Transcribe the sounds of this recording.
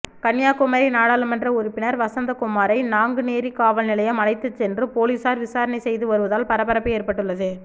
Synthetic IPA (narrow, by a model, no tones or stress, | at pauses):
kɐɳjaːkʊmɐːɾɐɪnaːɽaːlɯmɛndrɐʊɾʊpːɪnɐɾʋɐsɐnd̪ɐkʊmːaːɾɐɪnaːŋɡɯneːɾikaːʋɐlnɪlɐjɐmɐnɐɪt̪ːɯt͡ʃːɛndrɯpoːliːsaːɾʋɪsaːɾɐnɐɪsɛjðɯʋɐɾɯʋɐðaːlpɐɾɐpːɐɾɐpːɯeːɾpɐʈːɯɭːɐðɯ